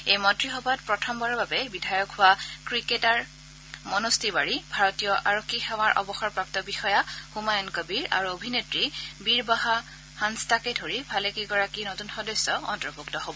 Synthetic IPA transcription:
ejmɔntɹixɔbat̚pɹɔtʰɔmbaɹɔbabɛbidʱajɔkhʊwakɹiketaɹ | mɔnostʰibaɹibʱaɹɔtijɔʔa̰ɹokʰːixaw̃aɹʔɔ̰bɔxɔɹpɹap̚tɔbixɔjaxumajɔnkɔbiɹa̰ɹuobʱinetɹibiɹbaɦa | hanstakedʱoɹibʱalekeɡɔɹakinotunxɔdɔsːɔɔ̰ntɹɔbʱuktɔɦobɔ

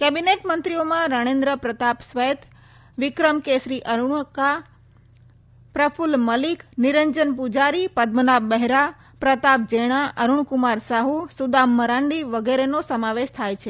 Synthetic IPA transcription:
kɛbineʈmənt̪ɾiomãɾəɽ̃ẽnd̪ɾəpɾət̪apsʋəjt̪ | ʋikɾəmkesɾiʔəɾuɳka | pɾəfʰulməlikniɾəɲd͡ʒənpud͡ʒaɾipəd̪mənabəɦɾa | pɾət̪ap̚d͡ʒeɽ̃aʔəɾuɳkumaɾsaɦusud̪amːəɾãɳɖiʋəɡeɾenosəmaʋeʃt̪ʰajt͡ʃʰe

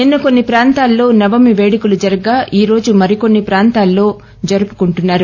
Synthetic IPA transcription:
ninːɐko̞nːipɾaːnt̪aːlːo̞ːnɐʋɐmiʋeːɽikulud͡ʒɐɾɐɡaːʔiːɾo̞ːd͡ʒumɐɾiko̞nːipɾaːnt̪aːlːo̞ː | d͡ʒɐɾupu̥kuɳʈunːaːɾu

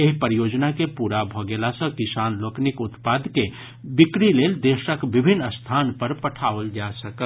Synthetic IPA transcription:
eɦpəɾjod͡ʒnakepuɾabʱɔɡelasə̃kisanloknikut̪pad̪ke | bikɾileld̪eʃəkbibʱinːəst̪ʰanpəɾpəʈʰaʋəld͡ʒasəkəl

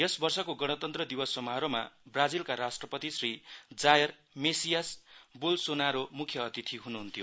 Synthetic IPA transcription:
esbʌrsʌkoɡʌɽ̃ʌt̪ʌnt̪rʌd̪ibʌsʌmaɦɾoma̰brad͡zilkaɾasʈrʌpʌt̪isrid͡zajʌr | mesijasbulsonaɾomukʰjʌʌt̪it̪ʰiɦunuɦunt̪ʰijo

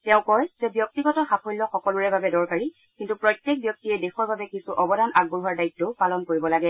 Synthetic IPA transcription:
tɛʊ̃kɔjzɛbjɔk̚tiɡɔtɔxapʰojlɔxɔkɔluɹɛbabɛdɔɹkaɹi | kintupɹɔtːek̚bjɔk̚tiɛdexɔɹbabɛkisuʔɔbɔdanʔaɡ̚buɹuwaɹdaitːɔpalɔnkoɹibɔlaɡɛ

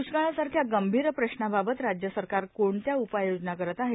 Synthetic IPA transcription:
usɡaɭasaɾkʰjaɡəmbʱiːɾəpɾəɕnababət̪ɾad͡ʑjəsəɾkaɾkoɳt̪jaupajod͡ʑnakəɾət̪aɦe

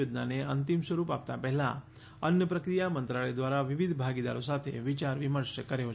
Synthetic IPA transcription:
od̪naneənt̪imsʋəɾupa̰p̚t̪apɛɦɛla̰ | ənjəpɾəkɾijamənt̪ɾaɭed̪ʋaɾaʋiʋid̪ʱbʱaɡid̪a̰ɾosat̪ʰḛʋit͡ʃaɾʋiməɾʃkəɾeo

